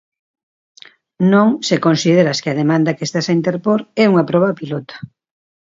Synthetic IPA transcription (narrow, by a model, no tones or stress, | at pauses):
nõŋsekonsiðeɾɐskɪɐð̞emãnd̪ɐkest̪asaint̪eɾpoɾɛuŋɐpɾɔβɐpilɔt̪ḁ